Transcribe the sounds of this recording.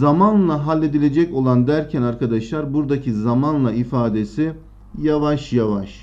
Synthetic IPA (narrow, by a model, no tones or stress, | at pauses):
zamanlˠaɦalʲːe̞d̪ilʲe̞d͡ʒɛco̞lˠand̪æɾcʰɛnaɾkʰad̪aʃlˠaɾbuɾd̪acʰizamanlˠaifaːd̪e̞si | javaʃjavaʃ